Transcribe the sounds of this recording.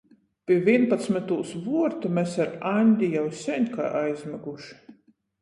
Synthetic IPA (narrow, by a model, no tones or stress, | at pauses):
pʲiɛvʲiɛnpat̪smɛt̪uːsvuɔɾt̪umʲɛsaɾanʲd̪ʲijawsʲɛnʲka̰ːʔajzmʲɛɡuʃi̥